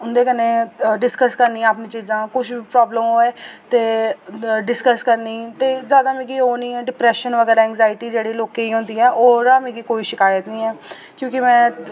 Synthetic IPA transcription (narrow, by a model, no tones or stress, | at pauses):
ʊnd̪eːkəneːɖɪskəskəɾniːaːpnĩːt͡ʃiːzãːkʊt͡ʃʰbiːpɾɔːbləmɦoːɛːt̪eː | ɖɪskəskəɾniːt̪eːzjaːd̪aːmẽːɡiːɦoːnĩːɛːɖɪpɾɛːʃənʋəɡɛːɾaːɛːŋɡzaːɪʈiːd͡ʒeːɽiːloːkeiːɦʊ̃nd̪iːɛːʔoːɾaːmɛ̃ːɡiːkoːiːʃɪkaːjət̪nĩːɛː | kjõːkɪmɛ̃ː